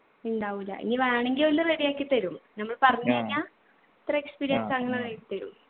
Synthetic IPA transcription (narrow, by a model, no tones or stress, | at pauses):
iɳɖaːʋilːɐ̰ʔḭŋːiʋaːɳeŋɡilolːɐreːɾijaːkʲːɨt̪ɐɾumnɐmːɐɭpɐrɐɲːɐɐɲːaː | ɐt̪rɐekspiːɾijɐnsɐŋːɐnerejkːɨt̪ːɐɾṵm